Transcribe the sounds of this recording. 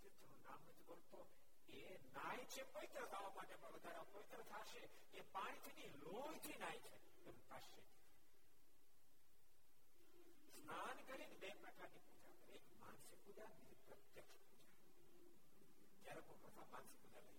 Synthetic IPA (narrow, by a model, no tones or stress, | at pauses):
et͡ʃnonamnəd͡ʒbolt̪o | e | najt͡ʃʰepəʋit̪ɾət̪ʰaʋamãʈepə̃ɳʋəd̪ʱaɾepəʋit̪ɾət̪ʰaʃe | epaɽ̃it̪ʰiniloɡt̪ʰinajt͡ʃʰe | ep̪aʃet͡ʃ | snʰankəɾinbepɾəkaɾnipud͡ʒakəɾekma̰nsikud͡ʒanid͡ʒpɾət̪jəkʃpud͡ʒa | t̪jaɾekokɾət̪ʰama̰nsikud͡ʒalə̰i